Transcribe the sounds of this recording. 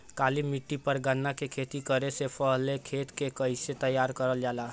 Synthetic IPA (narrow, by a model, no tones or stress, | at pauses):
kaːlimɪʈːipəɾɡənːakekʰeːt̪ikəɾesepəɦlekʰeːt̪kekəɪset̪əjːaːɾkəɾəld͡ʒaːlaː